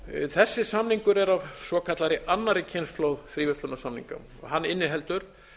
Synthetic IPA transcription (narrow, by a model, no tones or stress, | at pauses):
θɛsːɪsamniŋkʏɾɛɾavsvɔkʰat̪laɾɪʔanːaɾɪcʰɛjnst̪lowðθɾiːvɛst̪lʏnːasamnḭŋka̰m | ɔ̰ɣɦanːɪnːɪɦɛl̪t̪ʏɾ̥